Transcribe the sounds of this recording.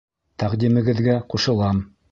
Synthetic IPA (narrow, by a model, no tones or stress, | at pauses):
t̪æqd̪imɘ̆ɡɘ̆ðɡæquʃɤ̆lˠɑm